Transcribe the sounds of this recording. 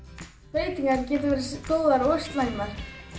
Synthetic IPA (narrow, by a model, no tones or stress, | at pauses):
veːjt̪iŋkaɾcɛːt̪̬ʏvɛːɾast̪oːwðaɾawʏst̪lajmaɾ̥